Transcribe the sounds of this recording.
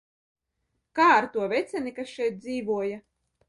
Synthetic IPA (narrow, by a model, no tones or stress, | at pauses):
kaːaɾt̪uɔvʲɛt̪sʲɛnikasʃɛjt̪̚d̪ziːvuɔja